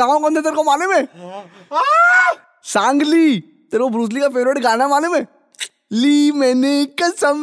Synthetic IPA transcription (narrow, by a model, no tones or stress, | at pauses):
ãːõkɐ̃nd̪et̪̬eɾkomaːnemẽ | sãːŋɡliː | t̪eɾkobɾuːs̬likafeːʋɾeːʈɡaːnamaːnemẽ | liːmɛːnekɐsəm